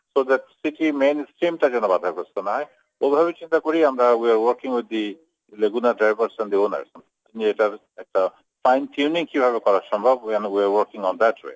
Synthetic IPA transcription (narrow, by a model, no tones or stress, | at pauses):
sod̪ɛʈsiʈimẽnsʈɾimʈad͡ʒɛnobad̪ʱaɾkɔst̪onaɦɔj | obʱabet͡ʃint̪akoɾiamɾawiaɾwɔɾkĩŋwɪd̪̚ːi | leɡunaɖɾajbəɾsɛ̃nd̪iona̰ɾsam | inieʈa | ɛk̚ʈa | fajntʰunĩŋkibʱaβekɔɾaʃɔmbʱɔbwɛ̃nwiaɾwɔɾkɪ̃ŋɔnd̪ætwḛ